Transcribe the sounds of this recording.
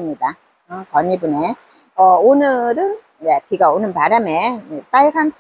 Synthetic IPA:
mɲida | ɯkʌɲibɯne | ʌonɯɾɯn | jepiɡaonɯnpaɾame̞ep͈aɭɡanp

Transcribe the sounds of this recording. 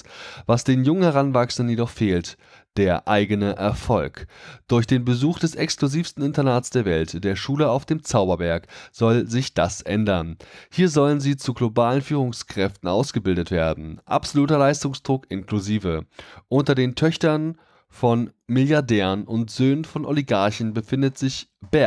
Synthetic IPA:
vasd̥eːnjʊŋənhɛʁ̞anvaksən̩dənjedɔχfeːlt | d̥eːɐʔaɪɡənəʔɛ̰ɐfɔlkd̥ʊɐçd̥eːnbəzuːxd̥ɛsɛksklʊziːfstn̩ɪntɐnaːtsd̥eːɐvɛltd̥eːɐʃuːləaʊfd̥eːmt͡saʊbɐvɛɐkz̥ɔlzɪçd̥asʔɛ̰ndɐnhiːɐzɔlənziːt͡suɡlobaːlənfyːʁ̞ʊŋskʁ̥ɛftn̩ʔaʊsɡ̥əbɪldətv̥ḛːɐdn̩ʔa̰pz̥oluːtɐlaɪstʊŋsd̥ʁʊkʔɪnkluziːvəʔʊntɐdeːntʰœçtɐn | fɔnmɪljaɐdɛːʁənʊntz̥øːnənfɔnʔoliɡaɐçn̩bəfɪndətz̥ɪçb̥ɛɐ

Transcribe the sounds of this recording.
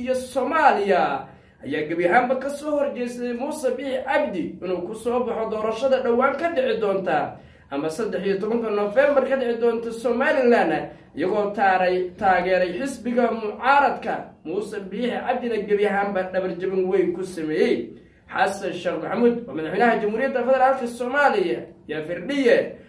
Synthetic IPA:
jɔsɔmaːlɪjɐ | ʔɐjaːɡɐbjɐɦaːmbɐkʰɐsɔːhɔrt͡ʃɛjsɐd̪ɛjmuːsɛbiːħʕɐb̚d̪ɪʔɪnuːkʰʊsɔːbɑħɔd̪ɔːɾɐʃɐðɐɖɐwaːŋkʰɐɖɛʕɪd̪ɔːnt̪ʰɐ | ʔɐmɐsɐd̪ːɛħijɐt̪ʰɔβɐŋt̪ʰɐnːɔfɛːmbɐrkʰɐɖɛʕɪd̪ɔːnt̪ʰɐsɔmaːlɪlaːnɐ | ɪjɐɣɔːt̪ʰaːɾt̪ʰaːɣɛːɾɛjħɪsbɪɣɐmʊʕɑːɾɐd̪kʰɐmuːsɛbɪħɪʔɑb̚d̪ɪnɐɡɐbjɐɦaːmbɐɖɐβɐrt͡ʃɐβɪnwɛjŋkʰʊsɐmɛːjɛj | ħɑsɐnʃɛːχmɐħmuːd̪wɑːmɐðɑħwɛːnɐɦɐt͡ʃɐmhuːɾɪjɐd̪ːɐfɛðɛɾaːlkʰɐsɔmaːlɪjɐjɐfɪrɖɪjɛ

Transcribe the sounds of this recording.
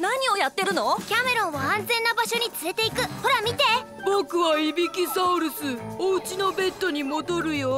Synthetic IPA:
naɲ̟io̞jat̪ːe̞ɾɯ̟no̞kʲame̞ɾõ̞ɰ̃βaãnd͡zẽ̞nːabaɕo̞ɲ̟it͡sɨɾe̞t̪e̞ikɯ̟ho̞ɾamʲit̪e̞ | bo̞kɯ̟βaibʲikʲisaɯɾɯ̟sɨoɯ̟t͡ɕino̞be̞t̪ːo̞ɲ̟imo̞d̪o̞ɾɯ̟jo

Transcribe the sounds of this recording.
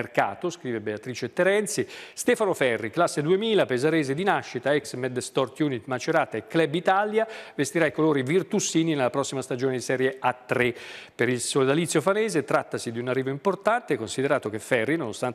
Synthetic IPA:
rka̰ːt̪oskɾiːvebeat̪ɾiːt͡ʃet̪ːeɾɛnt̪sist̪ɛːfanofɛrːiklasːed̪uemiːlapezaɾeːzed̪inaʃːit̪aɛksmɛd̪st̪ɔrt̪juːnit̪mat͡ʃeɾaːt̪aekːlɛbit̪aljavest̪iɾaikoloːɾivirt̪usiːninelːapɾɔsːimast̪ad͡ʒoːned̪isɛːɾjeat̪ːɾepeɾilsold̪alit̪sjofaneːzet̪ɾat̪ːasid̪iunarːiːvoimport̪ant̪ekonsid̪eɾaːt̪ok̟efɛrːinonost̪an

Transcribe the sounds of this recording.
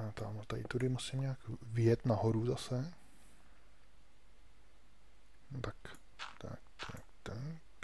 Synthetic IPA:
t̪amot̪aɪt̪uɾɪmusɪmɲaːkvɪjɛt̪naɦoɾuzasɛ | t̪ak | t̪a̰k̪akt̪ɛ

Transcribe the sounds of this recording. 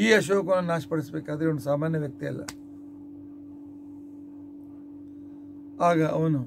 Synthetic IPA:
iːɐʃ̬oːk̬ɐnɐnaːʃpɐɽisɐbeːkaːd̪ɐɾiʋɐɳɖusaːmaːnjɐʋjɐk̚t̪iɐ̰lːɐ̰ | aːɡɐɐʋɐnu

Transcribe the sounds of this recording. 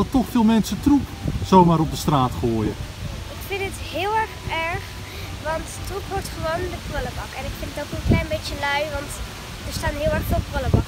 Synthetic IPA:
ɔtɔxfɪːlˠmɛnsətruksowmaːɾɔp̚dəstraːtχoːjə | ɪkfɪndɪthɪəlˠɛrxɛɹx | ʋɑnttrukʋɔɹtχəʋoːndəprøləbɑkɛnɪkfɪndətokənklɛjnbetjəlœɥʋɑnt | dəɹstaːnɦɪəlˠɛɹxfɪlˠprøləbɑk

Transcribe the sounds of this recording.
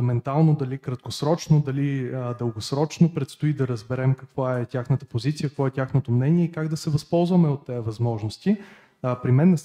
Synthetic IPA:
mɛnt̪alˠnod̪ɐlikɾɐt̪̚kosɾɔt͡ʃnod̪ɐlid̪əlˠɡosɾɔt͡ʃnopɾɛt̪st̪oid̪ɐɾəzbɛɾɛmkɐkvaɛtʲaxnət̪əpozit̪siəkkvɔɛtʲaxnot̪omnɛnʲiɛikaɡd̪ɐsɛvɐspɔlˠzvɐmɛot̪ːɛɐvɐzmɔʒnost̪i | pɾimɛnːɛs

